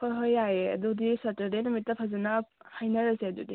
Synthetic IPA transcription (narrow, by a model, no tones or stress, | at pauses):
kʰojɦojajeɐ̰dudisatɐɾdenumitːɐpʰazɐnɐhajnɐɾɐzeɐdṵdi